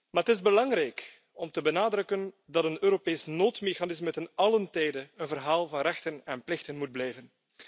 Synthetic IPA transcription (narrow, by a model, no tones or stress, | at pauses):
maːɾətɪzbəlɑŋɾɛjk | ɔmtəbənaːdɾɵkən | dɑtənøːɾopeːsnoːtmexanɪsmətənɑləntɛjdəənvərɦaːlˠvɑnrɛxtənɛnplɪxtənmud̚blɛjvən